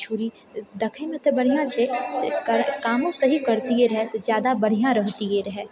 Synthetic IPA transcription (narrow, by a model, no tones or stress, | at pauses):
t͡ʃʰuːɾi | d̪ɐkʰẽmẽt̪obɐɽ̤ijãt͡ʃʰesekɐɾkaːmõsɐɦikɐɾt̪iɦeɾɐɦɛt̪ozjaːd̪abɐɽ̤ijãɾɐɦt̪iɦeɾɐɦɛ